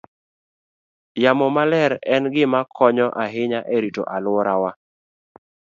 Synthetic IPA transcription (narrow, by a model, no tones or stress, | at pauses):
jamɔmalɛɾɛnɡɪmakʰɔɲɔʔaɦɪɲaʔeɾito̰ʔalʊɔɾawa